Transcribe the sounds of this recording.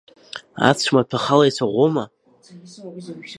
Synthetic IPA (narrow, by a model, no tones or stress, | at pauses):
a̰t͡sʷʰmatʰaχalajt͡sʷʰaʁʷoma